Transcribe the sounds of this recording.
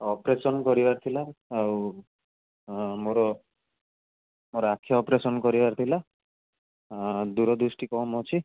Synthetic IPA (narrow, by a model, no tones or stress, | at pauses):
ɔpɾesɔnkɔɾibaɾt̪ʰilaːw | moɾɔ | moɾɔakʰːjaɔpɾesɔnkɔɾibaɾt̪ʰila | d̪uɾɔd̪ɾusʈikɔmɔt͡ʃʰi